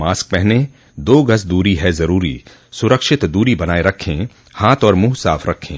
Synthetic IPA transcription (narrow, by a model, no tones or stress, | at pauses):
maːsk̚pɛɦne | d̪oːɡɐsd̪uːɾiɦɛzɐɾuːɾḭː | sʊɾəkʃɪt̪d̪uːɾibɐnaːeɾɐkʰːẽː | haːt̪ɔːɾmuːɦsaːfʰɾɐkʰːḛ̃ː